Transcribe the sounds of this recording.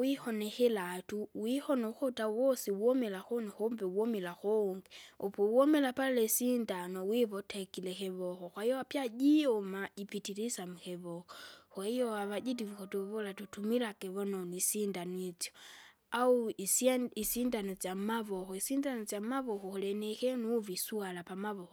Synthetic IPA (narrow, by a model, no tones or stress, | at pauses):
wixonexelatuwixonoxotawosiwomelaxonixombewomelaxoŋɡiopwomelapalalesindanowiβotʰekilexeβoxoxwajowapjaɟiomaipitiɾisamuxeβoxoxwaijoaβaɟitiβuxotuβolatutumilakeβononisindanwit͡sjo | ausisindanot͡sjamaβoxoisindanot͡sjamaβoxoulenexenuβisualapamaβoxo